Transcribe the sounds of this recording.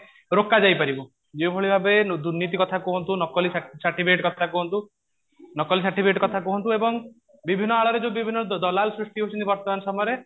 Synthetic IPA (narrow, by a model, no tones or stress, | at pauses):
ɾokːad͡ʒajpaɾibɔ | d͡ʒebʱoɭibʱabed̪uɾnit̪ikɔt̪ʰakuɦɔnt̪unɔkɔlissaʈibʰʱeʈkɔt̪ʰakuɦɔnt̪u | nɔkɔlisaʈibʱeʈkɔt̪ʰakuɦɔnt̪uebɔŋ | bibʱinːɔaɭɔɾed͡ʒebibʱinːɔd̪ɔlalsɾiʂʈiɦot͡ʃʰɔnt̪ibɔɾt̪ɔmanɔsɔmɔjɔɾe